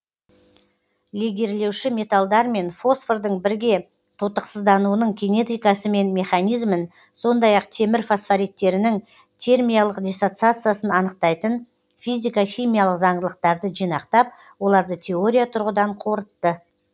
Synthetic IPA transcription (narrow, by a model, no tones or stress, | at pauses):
liɡʲe̞ɾle̞wʃɪmʲe̞t̪alˠd̪ɑɾme̞nfo̞sferd̪əɴbɪɾɡʲe̞ | t̪ʰot̪əqsəzd̪ɑnuənəɴɡʲene̞t̪ijkɑsəme̞nme̞χanijzmən | so̞nd̪ɑjɑqt̪ʰe̞mɪɾfasfaɾit̪ːe̞ɾɪnɪŋ | t̪ʰe̞rmʲijalˠəqd̪ʲesot̪sɨat̪sɨjasənɑnəq̚t̪ɑjt̪ən | fizʲijkaχʲijmʲijalˠəqzɑɴd̪əlˠəq̚t̪ɑɾd̪əʒijnɑqt̪ɑp̚ | wo̞lˠɑɾd̪ət̪ʲʰe̞o̞ɾʲijat̪ʰʊɾʁəd̪ɑɴqʰo̞ɾət̪ːə